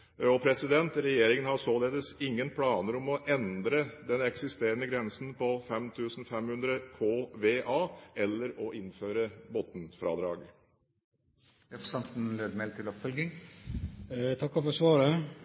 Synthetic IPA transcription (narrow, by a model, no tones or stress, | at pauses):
ɔpʰɾɛsɪd̪ɛnt̪ɾɛjeːɾɪŋənhɑsoːleːd̪əsɪŋːənpʰlɑːnəɾɔmɔʔɛnd̪ɾəd̪ɛnɛksɪst̪eːɾənəɡɾɛnsnpɔfɛmt̪ʰʉːsn̩fɛmhʉnd̪ɾəkʰoːʋeːʔɑːɛlːəɾɔʔɪnføːɾəbɔt̪n̩fɾɑ̰ːd̪ɾɑ̰ːɡ | ɛfɔsɑnt̪n̩løːd̪mɛlt̪ʰɪlɔpfœlɡɪŋ | t̪ʰɑkːɔfɔɾsʋɑːɾə